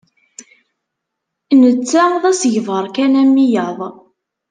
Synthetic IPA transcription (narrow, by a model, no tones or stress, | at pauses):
nət͡sːæðæsəʝvəɾˤkænæmːijɑðˤ